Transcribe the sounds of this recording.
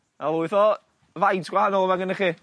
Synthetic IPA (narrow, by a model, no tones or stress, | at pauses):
alˠuɪθɔ | vajtʰɡ̥wahanɔlˠəmaɡənəχiː